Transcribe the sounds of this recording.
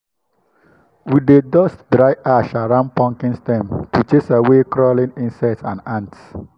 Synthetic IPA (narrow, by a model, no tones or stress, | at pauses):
widedɔstdɾajʔaʃaɹãnpɔ̃ŋkĩnstɛ̃mtut͡ʃesawekɾɔlĩnĩnsɛtsã̰nãnts